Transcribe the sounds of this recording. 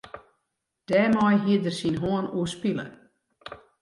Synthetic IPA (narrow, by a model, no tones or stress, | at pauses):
d̥ɛːmɔjɦiədərsinɦoənuəspilə̰